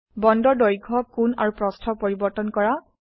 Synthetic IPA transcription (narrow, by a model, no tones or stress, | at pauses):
bɔndɔdɔjɡʱɔkuna̰ɹupɹɔstʰɔpoɹibɔɹtɔnkɔɹa